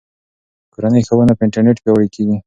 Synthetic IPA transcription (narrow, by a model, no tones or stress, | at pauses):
koɾanəjxawənapəɪɳʈaɾneʈkjawəɽikeɡi